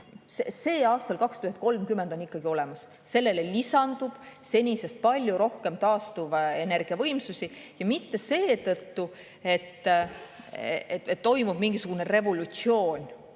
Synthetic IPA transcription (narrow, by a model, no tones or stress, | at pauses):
sese̞ːɑːst̪ɑlkɑkst̪uyhend̪̚ko̞lmkymːe̞nd̪o̞nikːɑɡio̞le̞mɑs | se̞lːe̞lelisɑnd̪̥ub̪̥se̞nʲise̞st̪̚pɑlʲjuɾo̞hke̞mt̪ɑːst̪uve̞ne̞rɡ̥iɑvɤ̞jmsusʲijɑmit̪ːe̞se̞ːt̪ɤt̪ːu | e̞t̪ː | eet̪t̪ːo̞jmub̥miŋɡ̥isuɡ̥unere̞vo̞lut̪sio̞ːnʲ